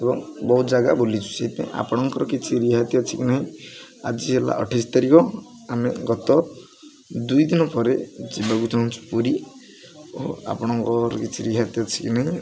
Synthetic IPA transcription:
ebɔŋbɔɦud͡ʒaɡabolit͡ʃʰu̥seɦit̪ãa̰pɔɽ̃ɔŋkɔɾɔkit͡ʃʰiɾiɦat̪jɔt͡ʃʰikinaɦĩad͡ʒiɦela̰ʔɔ̰ʈʰisɔ̥t̪aɾikɔ | ameɡɔt̪ɔ | d̪ujd̪inɔpɔɾed͡ʒibakut͡ʃaɦunt͡ʃʰu̥puɾi | oɦa̰pɔɽ̃ɔŋkɔɾɔkit͡ʃʰiɾiɦat̪jɔt͡ʃʰi̥kinaɦĩ

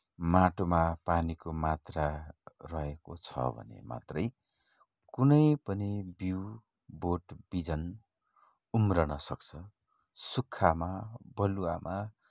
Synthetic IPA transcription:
maʈomapanikomat̪rarʌɦeko̰t͡sʰʌ̰bʱʌ̰nḛma̰t̪rʌj | kunʌjpʌnibiw | boʈb̥id͡zʌn | umrʌnʌsʌk̚t͡sʰʌ | sukʰːamabʌlua̰mʔa

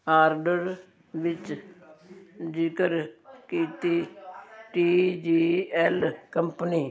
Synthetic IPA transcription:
aːɾɖəɾ | ʋɪt͡ʃ | d͡ʒikəɾkiːt̪iːʈiːd͡ʒiːɛlkəmpəniː

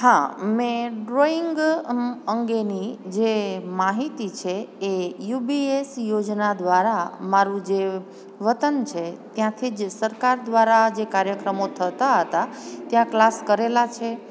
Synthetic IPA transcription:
ɦãmẽɖɾoɪŋɡ | əŋɡenid͡ʒemaɦit̪it͡ʃʰeːjubiesjod͡ʒnad̪ʋaɾamaɾũd͡ʒe | ʋət̪ənt͡ʃʰet̪jãt̪ʰid͡ʒsəɾkaɾd̪ʋaɾad͡ʒekaɾjəkɾəmot̪ʰət̪aɦət̪a | t̪jãklaskəɾelat͡ʃʰe

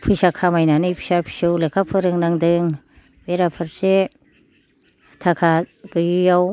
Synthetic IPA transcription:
pʰɯjsakʰamajnanɯjpʰi̥sapʰi̥sɯwlekʰapʰɯɾɯŋnaŋdɯŋ | beɾapʰɯɾse | tʰakʰaɡ̥ɯjujaw

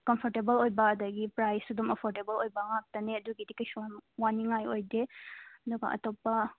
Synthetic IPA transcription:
kɐmpʰoɾtebɐlojbɐːdɐɡipɾajsudumɐpʰoɾdebɐlojbɐŋak̚tɐneɐduɡidikɐjsuanwaniŋajojdeɐduɡɐʔɐ̰topːɐ

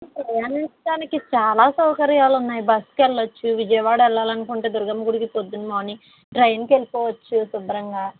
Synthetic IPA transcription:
pɾɐjaːnint͡ʃɐʈaːnikit͡ʃaːlaːsɐwkɐɾjaːlunːaːjibɐskɛlːɐt͡ʃːuʋid͡ʒɐjɐʋaːɽɐɛlːaːlɐnukuɳʈe̞ːd̪uɾɡɐmɐɡuɽiɡipod̪ːunimoːni | ʈɾɐjnkelipɔːʋɐt͡ʃːusub̪ɾɐŋɡaː

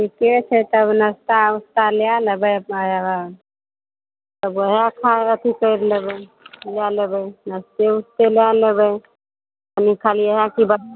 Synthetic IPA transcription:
tiket͡ʃʰɛt̪əbnəst̪aust̪alejalebəjəɦa | t̪əbəɦãkʰaət̪ʰikəɪɾlebəlejalebəjnəst̪eust̪elejalebəj | ənikʰaliəɦjãkibə

